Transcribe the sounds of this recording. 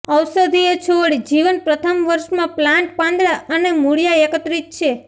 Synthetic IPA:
əwsəd̪ʱiet͡ʃʰoɽid͡ʒiʋənpɾət̪ʰəmʋəɾʃmãplãɳʈ̚pãnd̪ɾaʔənemuɽijaekət̪ɾit̪̚t͡ʃʰe

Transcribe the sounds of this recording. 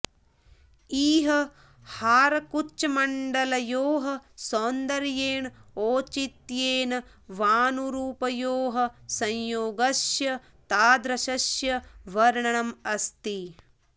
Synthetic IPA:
iːɦɐ̆ | haːɾɐkut͡ʃːɐmɐɳɖɐlɐjoːɦɐ̆soːnd̪ɐɾjeːɳoːt͡ʃit̪jeːnɐ | ʋaːnuɾuːpɐjoːɦɐ̆sɐjjoːɡɐʃjɐ | t̪aːd̪ɾɐʃɐʃjɐʋɐɾɳɐɳɐmɐst̪i

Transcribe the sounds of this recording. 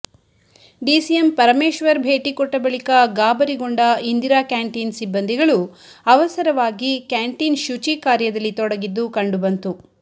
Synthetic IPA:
ɖisijempɐɾɐmeːʃʋɐɾbʱe̞ːʈikɔʈːɐbɐɭikɐɡaːbɐɾiɡoɳɖɐind̪iɾaːkaːɳʈiːnsibːɐnd̪ʱiɡɐɭuɐʋɐsɐɾɐʋaːɡikjaːɳʈinʃut͡ʃikaːɾjɐd̪ɐlːit̪ɔɽɐɡid̪ːukɐɳɖubɐnt̪u

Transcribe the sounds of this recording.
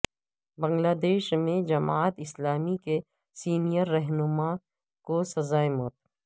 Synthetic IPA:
bɐ̃ŋɡlaːd̪eːʃmẽd͡ʒɐmaːt̪ɪslaːmike | siːnijəɾːɛɦnʊma | kosɐzaːemɔːt̪̚

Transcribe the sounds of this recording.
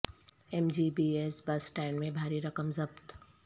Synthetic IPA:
emd͡ʒiːbiːesbɐsʈɛ̃ːɳɖmẽbʱaːɾiɾɐkəmzɐbt̪

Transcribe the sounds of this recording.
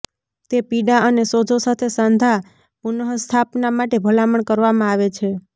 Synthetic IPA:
t̪epiɖaənesod͡ʒosat̪ʰesãnd̪ʱa | punəɦəst̪ʰapnamaʈebʱəlaməɳkəɾʋamãaʋet͡ʃʰe

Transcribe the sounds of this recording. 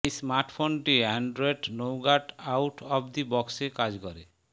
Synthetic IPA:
ismaɾʈʰpʰonʈiaɳɖɾɔeʈnowɡaʈawʈʰɔbd̪ibɔksekad͡ʒkɔɾḛ

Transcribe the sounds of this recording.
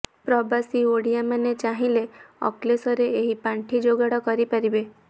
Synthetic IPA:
pɾɔbasioɽijamanet͡ʃaɦĩleɔ̰klesɔɾeːɦipaɳʈʰid͡ʒoɡaɽɔkɔɾipaɾibe

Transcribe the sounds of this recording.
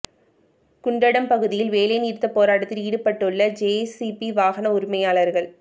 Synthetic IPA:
kʊɳɖɐɽɐmpɐɣɯðɪjɪlʋeːlɐjniːɾt̪ːɐpːoːɾaːɽɐt̪ːɪliːɽɯpːɐʈːɯɭːɐd͡ʒesipiʋaːɣɐnɐʊɾɪmɐjaːɭɐɾɣɐɭ

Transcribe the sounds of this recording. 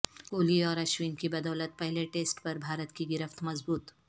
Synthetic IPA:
koːliɔːɾɐʃwiːnkibɐd̪ɔːlət̪̚pɐɦleʈeːsʈpɐɾbʱaːɾət̪kiɡɪɾəft̪mɐzbuːt̪

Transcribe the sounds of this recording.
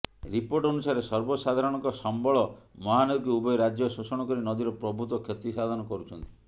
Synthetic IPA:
ɾipoɾʈɔnusaɾesɔɾbɔsad̪ʱaɾɔɽ̃ɔ̃ŋkɔsɔmbɔɭɔmɔɦanɔd̪iɡiubɔjɾad͡ʒjɔsusɔɽ̃ɔkɔɾinɔd̪iɾɔpɾɔbʱut̪ɔkʰjet̪isad̪ʱɔnɔkɔɾut͡ʃʰɔnt̪i̥

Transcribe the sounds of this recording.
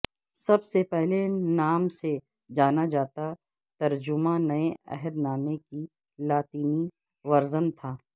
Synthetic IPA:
sɐbsepɛɦlenaːmse | d͡ʒaːnad͡ʒaːt̪a | t̪ɐɾd͡ʒʊmãnɐeɛ̰ɦəɾnaːmeki | laːt̪iːni | ʋɐɾzənt̪ʰaː

